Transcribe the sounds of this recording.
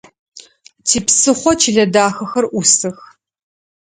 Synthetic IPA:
tʰiːpsɨχʷɔt͡ʃʰiɮɐdaːxɐxɐrʔʷusɨx

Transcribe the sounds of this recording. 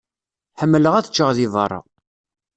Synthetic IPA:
ħəmːələʁæθə̥t͡ʃːəʁðivərˤːɑ̰

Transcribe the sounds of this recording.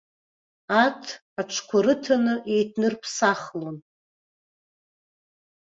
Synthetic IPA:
atʰ | aʈ͡ʂʷʰkʷʰaɾɨtʰanɨʔe̞jtʰnɨrpʰsaχlon

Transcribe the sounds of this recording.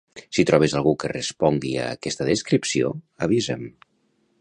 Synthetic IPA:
sit̪ɾɔβ̞ezalˠɣukərəspɔŋɡia̰kɛst̪əðəskɾipsio̰ | aβ̞izem

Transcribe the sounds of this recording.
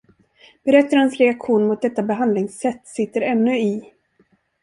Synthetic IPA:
b̥ɛɾɛt̪ːaɾhansɾɛakɧuːnmʊt̪̚d̪ɛt̪ːabɛɦand̪lɪŋsːɛt̪ːsɪt̪ːəɾɛnːɵɪ

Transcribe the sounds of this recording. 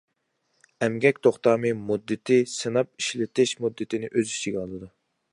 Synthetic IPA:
ɛmɡʲɛkʲt̪ʰoχt̪ɑːmɨmud̪ːɨt̪ʰɪsɨnɑp̚iʃlɪt̪ɪʃmud̪ːɪt̪ʰɪnɪʔøzyt͡ʃʰiɡʲɑlˠːɨd̪u

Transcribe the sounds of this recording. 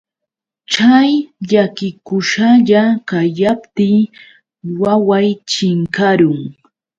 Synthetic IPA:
t͡ʃajʎakɪkʊʃaʎakajapt̪ɪ | wawajt͡ʃɪŋkaɾʊŋ

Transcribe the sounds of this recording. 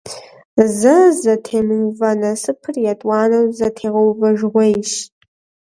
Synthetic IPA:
zɐzɐtʰeːmɨwvɐnɐsɨpʰɨrjatʼwɑːnɐwzɐtʰeːʁɐwvɐʒʁʷejʃ

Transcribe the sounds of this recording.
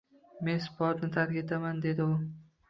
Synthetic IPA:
me̞nsɪ̥pɒt̪nɪt̪ʰaɾkʲat̪ʰamand̪e̞d̪ɪʊ

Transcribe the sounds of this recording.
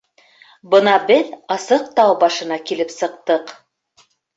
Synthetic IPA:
bɤ̆nɑbɘðɑsɤq̚t̪ɑwbɑʃɤ̆nɑkilɘpsɤ̆q̚t̪ɤq

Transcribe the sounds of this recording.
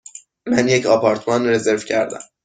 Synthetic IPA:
mænjecʰɒːpʰɒɾt̪ʰmɒnre̞ze̞ɾvcʰæɾd̪æ̰m

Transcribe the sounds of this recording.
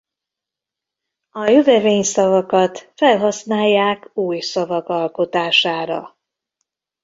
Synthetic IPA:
ɒjøvɛveːɲsɒvɒkɒt̪fɛlɦɒsnaːjːaːkuːjsɒvɒkɒlko̞t̪aːʃaːɾɒ̰

